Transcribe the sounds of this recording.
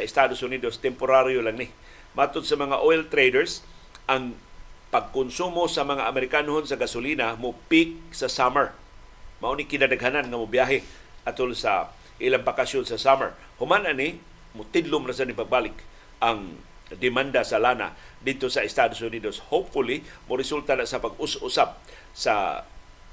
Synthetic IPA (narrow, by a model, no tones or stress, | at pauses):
saɪst̪ad̪osʊnid̪ost̪ɛmpʊɾaɾjolaŋnɪ | mat̪ʊd̪̚samaŋaʔolt̪ɾejdɛɹs | ʔaŋpaɡ̚kʊnsumosamaŋaʔamɛɾɪkanɦonsaɡasʊlinamʊpɪk̚sasaməɹ | maʔunikɪnadaɡɦananŋamʊbjaɦɪ | ʔat̪ʊlsa̰ | ʔilaŋbakasjonsasamə̰ɹ | hʊmanʔani | mʊt̪ɪdlʊmnas̬anipaɡ̚balɪk | ʔaŋ | d̪ɪmand̪asalana̰ | d̪ɪd̪̚t̪osaɪst̪ad̪ʊsʊnidoshop̚fʊlimʊɾɪsult̪anaʔsapaɡʊsʔusap̚ | sa̰